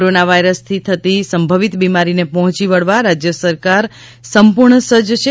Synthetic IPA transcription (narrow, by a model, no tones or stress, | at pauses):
ɾonaʋajɾəst̪ʰit̪ʰət̪isəmbʱəʋit̪bimaɾinepɔɦɔ̃t͡ʃiʋəɭʋaɾad͡ʒjəsəɾkaɾ | səmpuɾɳəsəd͡ʒt͡ʃʰe